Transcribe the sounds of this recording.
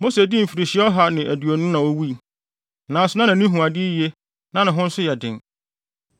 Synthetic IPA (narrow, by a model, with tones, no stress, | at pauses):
mo˦se˨di˦m̩˨fi˨ɾi˨ɕɪ˦ɔ˦ɦa˨nɪ̃˨ʔæ˨du˨o˨nʊ̃˦nã˨wo˦wi˦˨ | nã˨sʊ˨nã˦nã˨nĩ˦ɦũ˨a˨dɪ˦je˦ | nã˦nɪ̃˨ɦʊ̃˦n̩˦sʊ˦jɛ˨dɪ̰̃˨n